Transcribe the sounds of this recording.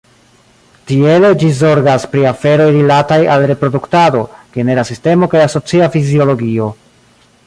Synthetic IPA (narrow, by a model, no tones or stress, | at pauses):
tiele̞d͡ʒizo̞ɾɡaspɾiafe̞ɾo̞jɾilatajalɾe̞pɾo̞duktado̞ɡ̥e̞ne̞ɾasiste̞mo̞kajaso̞t͡siafizio̞lo̞ɡio̞